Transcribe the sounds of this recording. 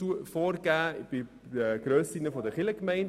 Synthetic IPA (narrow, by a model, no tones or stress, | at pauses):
ufɔːɾɡæːb̥ɪ | dəɡ̥ɾøːsɪnəfɔdəχɪləkmɛɪnd